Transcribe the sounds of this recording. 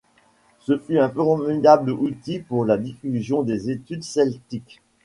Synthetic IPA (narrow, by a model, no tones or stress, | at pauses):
səfyɛ̃pøʁmənabləut̪ipuʁlad̪ifyzjɔ̃d̪ezet̪yd̪sɛlt̪ik